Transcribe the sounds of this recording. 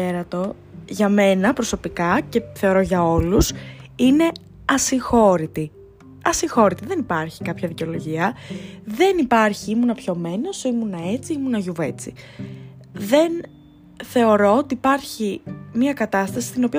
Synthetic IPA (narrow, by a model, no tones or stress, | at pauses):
eɾɐt̪o̞ | ʝɐme̞nɐpɾo̞so̞pikɐce̞θe̞o̞ɾo̞ʝɐo̞lusine̞ | ɐsiŋxo̞ɾit̪i | ɐsiŋxo̞ɾit̪iðe̞nipɐɾçi̥kɐpçɐðiceo̞lo̞ʝiɐðe̞nipɐɾçiimunɐpço̞me̞nosimunɐe̞t͡siimunɐʝuve̞t͡si | ðe̞n | θe̞o̞ɾo̞ot̪iːpɐɾçimiɐkɐt̪ɐst̪ɐsi̥st̪ino̞piɐ